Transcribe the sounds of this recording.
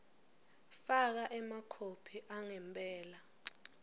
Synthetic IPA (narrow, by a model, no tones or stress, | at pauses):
fak̬aʔɛmakʰopʰiʔaŋɛmpʼɛːla